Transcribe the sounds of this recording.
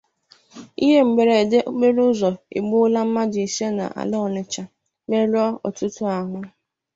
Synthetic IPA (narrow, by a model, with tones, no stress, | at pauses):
ḭ˦ɦe˦m̩˨ɡ͡be˨ɾe˨de˦ʔɡ͡be˦ɾʊ˦zɔ˨ḭ˨ɡ͡bʊ˦la˦m̩˦ma˦d͡ʒi˨si˦e˦na̰˨ʔa̰˨lʊ˦ɔ˨lɪ˨t͡ʃa˨ | me˦ɾɔ˦ɔ̰˨tʊ˦tʊ˦a˨ŋʷa˦